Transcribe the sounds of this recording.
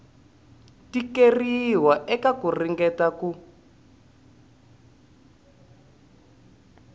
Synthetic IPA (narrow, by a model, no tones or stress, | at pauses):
tikeriwaʔɛkakuriŋɡɛtaku